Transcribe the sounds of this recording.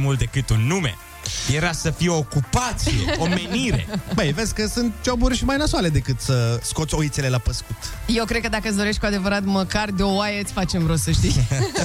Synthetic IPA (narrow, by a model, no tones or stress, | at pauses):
mult̪d̪e̞kɨt̪unːumḛ | jeɾasəfijeoːkupat̪sijeomeniɾe̞̰bəjve̞d̪sʲkəsunt̪̚t͡ʃoburʲʃimajnəswale̞d̪e̞kɨt̪səsko̞t̪so̞it̪sele̞lapəskut̪jewkɾed̪̚kəd̪akəɨs̬d̪o̞ɾe̞ʃt̪kuad̪evəɾat̪məkard̪eo̞wajeɨt̪sʲfat͡ʃe̞mɾosəʃt̪ij